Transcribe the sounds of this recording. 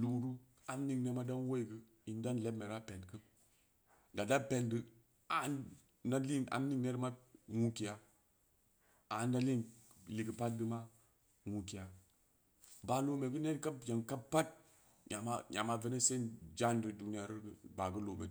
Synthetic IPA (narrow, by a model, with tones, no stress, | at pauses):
lu˦ɾu˦ | a˨mni˦ŋne˦ma˦da˦nwo˦i˨ɡə˦ | i˨n˦da˦nle˦me˨ɾa˦pe˨nkɨ˦m | da˨da˦pe˨ndə˦ | a˨˦n | na˦li˦ŋa̰˨mni˦ŋne˦də˦ma˦ŋu˦ki˨ja˨ | a˨˦nda˦li˦ŋ | li˨ɡə˨pa˦t̚dɨ˦ma˦ | ŋu˨ki˨ja˨ | ba˨lo˦me˨ɡə˦ne˦ka˦bja˨nka˦bpa˦t̚ | ɲa˨ma̰˦ɲa̰˨ma˨ve˦ne˦se˦nd͡ʒa˦ndə˨du˨ni˦ja˨ɾi˦ɾɡba˨ɡə˦lo˨me˨˦